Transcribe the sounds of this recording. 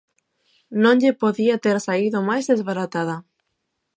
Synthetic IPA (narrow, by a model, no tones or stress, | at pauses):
nõŋʎɪpoðiat̪eɾsaiðʊmajzðezβaɾat̪að̞a